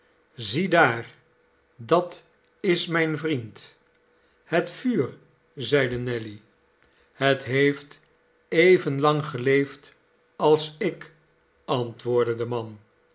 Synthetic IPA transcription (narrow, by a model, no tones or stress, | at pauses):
zidaːɹ | dɑt | ɪsmɛjnvrint | hətfyːr | zɛjdənɛli | hətɦejft | ejvənlɑŋχəlejft | ɑlˠsɪk | ɑntʋʊːɹdədəmɑn